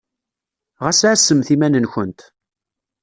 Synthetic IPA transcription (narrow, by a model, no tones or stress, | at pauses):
ʁæsʕsːəmθimænənçənt̪